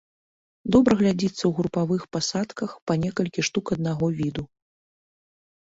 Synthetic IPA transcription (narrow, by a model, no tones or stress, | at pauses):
d̪ɔbɾɐɣlʲad͡zʲit̪sːɐwɣɾupavɨxpasat̪kɐxpɐnʲɛkɐlʲkʲiʂt̪ukɐd̪̚naɣɔvʲid̪u